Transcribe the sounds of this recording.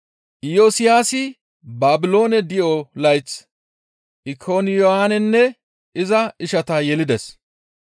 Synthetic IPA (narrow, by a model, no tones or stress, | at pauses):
ʔɪjoːsɪjaːsɪ | baːbɪlo̞ːnɛd̪ɪjɔlɐjt͡s | ʔɪkʰoːnɪjoaːnɛnːɛ | ʔɪzɐɪʃɐt̪ɐjɛlɪd̪ɛs